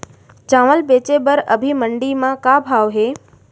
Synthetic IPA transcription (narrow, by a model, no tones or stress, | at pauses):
d͡ʒãːʋəlbeːt͡ʃebəɾəbʱiməɳɖimãkabʱaːʋɦeː